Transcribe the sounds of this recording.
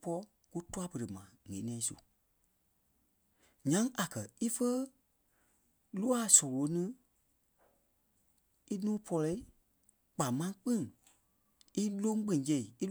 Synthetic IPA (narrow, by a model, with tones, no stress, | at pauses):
pɔ˧˦ | ku˦tu˦a˦pə˨ɾə˨mã˨ŋẽ˨˦nɛ̃ː˨ĩ˦sṵ˨ | ɲã˨˦ŋʔa˨kɜ˨i˦fə˦ | lu˦a˦˨sɔ̃˨lo˨˦nɨ̃˦ | i˦nũː˦pʰɔ˧lɛ˧i˦ | k͡pa˨mã˧˦k͡pĩ˦ŋ | i˦lõ˦ŋ˦k͡pɛ̃˧˨˦jɛ˧˨i˨i˦